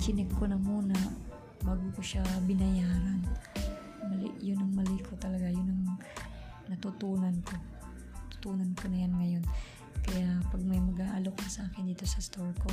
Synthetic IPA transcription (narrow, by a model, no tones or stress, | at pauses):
t͡ʃɪnɪkkːonɐmuːna | baːɡʊkʊʃabɪnɐjaːɾan | mɐlɪ̰ʔjʊnːɐŋmɐlɪkʰot̪ɐlɐɡajʊnɐŋ | nɐt̪ʊt̪uːnɐnko̞ | t̪ʊ̥t̪uːnɐnkonɐjanŋɐjo̞n | kɐjapɐɡ̚mɐjmɐɡaːʔalok̚nɐsɐʔaːkɪnd̪iːt̪o̞sɐst̪oɹko